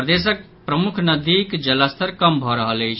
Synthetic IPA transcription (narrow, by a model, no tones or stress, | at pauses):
ɾd̪eːsək̚ | pɾəmʊkʰnəd̪iːkd͡ʒəlast̪ʰəɾkəmbʱɔɾəɦələit͡ʃʰ